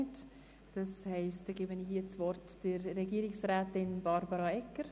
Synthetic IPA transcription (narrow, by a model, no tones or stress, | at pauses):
nt | d̥ɑshɛɪstɡeːbənɪhiːət͡svɔrtd̥əɾːɛɡiːɾɪksɾɛːtɪnb̥ɑɾbəɾɑɛkːəɾ